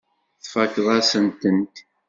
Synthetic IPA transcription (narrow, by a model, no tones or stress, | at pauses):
θfækðˤæsənt̪ənt̪